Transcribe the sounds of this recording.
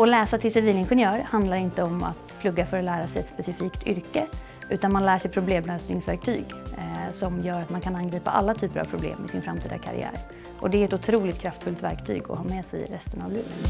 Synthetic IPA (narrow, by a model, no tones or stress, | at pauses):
ɔlɛːsat̪ʰɪlsɪviːlɪnɧɛnjœːɾhand̪laɾɪnt̪əɔma̰t̪pʰlɵɡːafœːɾɔlæːɾasɛjɛt̪spɛsɪfiːkt̪ʰʏɾkə | ʔʉ̟ːt̪anmanlæːʂɛjpʰɾʊbleːmlœːsnɪŋsvæ̰ɾk̚t̪ʰy̰ːɡsɔmjœːɾat̪mankʰananɡɾiːpa̰ʔa̰lːat̪ʰyːpəɾʔa̰v̥pʰɾʊblḛːmɪsɪ̰nfɾamt̪iːd̪a̰kʰa̰ɾɪ̰æ̰ːɾ | ʔɔd̪ɛæɾɛt̪ʊt̪ʰɾuːlɪt̪kʰɾaft̪fɵlt̪væ̰ɾkt̪ʰy̰ːɡɔ̰hɑːmɛːsɛ̰jɾɛst̪ənavlʉːnən